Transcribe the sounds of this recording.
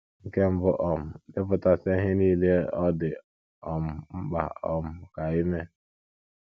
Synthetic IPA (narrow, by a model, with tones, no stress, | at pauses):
ŋ̩˦ke˦m̩˦bʊ˦ʔɔ˨m̩˨dɪ˦pʊ˨ta˨se˦ɦɪ˦niː˦le˦ɔ˦dɪ˨ | ɔ˨m̩˨m̩˦ɡ͡ba̰˨ɔ˨m̩˨ka˨ɪ˦me˦